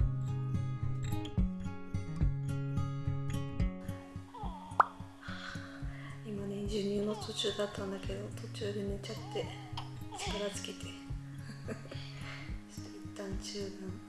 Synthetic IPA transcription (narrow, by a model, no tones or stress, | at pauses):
imane̞d͡ʑɨːɲ̟ʲĩnːo̞t̪ʰo̞t͡ɕɨːd̪at̪ːãnd̪ake̞d̪o̞t̪ʰo̞t͡ɕɨːd̪e̞me̞t͡ɕat̪ːe̞t͡ɕi̥kaɾazɨ̥kʲet̪ʰe̞̥ | ɕi̥t̪eit̪ːãɲt͡ɕɨːd̪ãɰ